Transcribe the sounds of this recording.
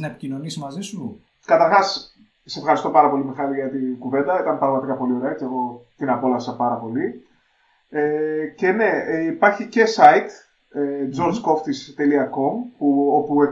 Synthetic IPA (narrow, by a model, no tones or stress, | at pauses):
nɐepicino̞nisimɐzisu | kɐt̪ɐɾxɐs | sse̞fxɐɾist̪o̞pɐɾɐpo̞limexɐliʝɐt̪inɡuve̞nd̪ɐit̪ɐnpɾɐɣmɐt̪ikɐpo̞lio̞ɾeɐt͡sieɣo̞t̪inɐpo̞lɐsɐpɐɾɐpo̞li | ece̞ne̞ipɐɾçice̞sɐit̪ | ed͡zo̞ɾzko̞ft̪ist̪e̞liɐko̞mpuo̞pue